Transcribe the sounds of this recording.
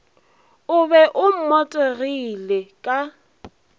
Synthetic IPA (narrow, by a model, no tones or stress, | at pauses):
ʊbɛʔʊm̩mɔtʼerilekʼa